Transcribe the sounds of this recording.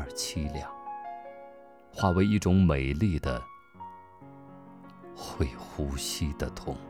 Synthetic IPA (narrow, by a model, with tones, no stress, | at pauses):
t͡ɕʰi˥ljɑ˥˩ŋ | xwa˥˩we˧˥ɪi˥˩ʈ͡ʂʊ˧˥ŋme˨˩ɪli˥˩d̪ə̰˩ | xwe˥˩ɪxu˧˥ɕi˥d̪ə˨t̪ʰʊ̰˧˥˦ŋ